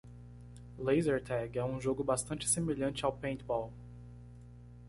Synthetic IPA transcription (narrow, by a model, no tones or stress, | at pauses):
lejzeɾt̪ʰɛɡɛũʒoɡʊbast̪ɐ̃nt͡ʃɪ̥semeʎɐ̃nt͡ʃɪawpẽt̪bɔw